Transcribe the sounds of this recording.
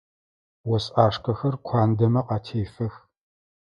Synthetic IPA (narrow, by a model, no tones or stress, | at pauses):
wɔsʼaːʂkʰɐxɐrkʷʰaːndɐmɐqɑːtʰeːfɐx